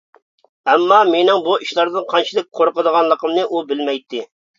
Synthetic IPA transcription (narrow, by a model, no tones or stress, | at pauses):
ɛmːɑmenɪŋbuiʃlˠɑɾd̪ɨnqʰɑnt͡ʃʰid̪ɪk̚ʲqʰoɾqəd̪əʁɑnlˠəqʰəmnɨʔubɪlmɛjt̪ʰːɪ